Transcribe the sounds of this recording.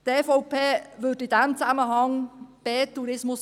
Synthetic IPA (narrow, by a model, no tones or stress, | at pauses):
teːfɔʊpʰeːvʏdɪd̥ɛmt͡saməɦɑŋb̥ɛːtuɾɪsmʊs